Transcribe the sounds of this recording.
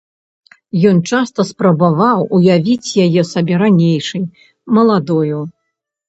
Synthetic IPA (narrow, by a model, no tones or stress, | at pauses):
jɔnt͡ʂast̪ɐspɾɐbavawujavʲit͡sʲjajɛsɐbʲɛɾanʲejʂɨj | mɐlˠad̪ɔju